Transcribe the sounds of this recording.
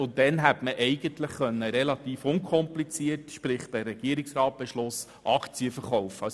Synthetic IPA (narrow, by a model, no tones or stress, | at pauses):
ʊntːɛnɦætməʔɛɪɡ̥əntləχχœnːəɾɛlɑtiːfʊnkʰɔmplit͡siətʃpɾɪχd̥ærɾɛɡ̥iəɾɪksrɑːt̚b̥ɛʃlʊs | ʔɑkʰt͡siəfəɾχɔwfɑ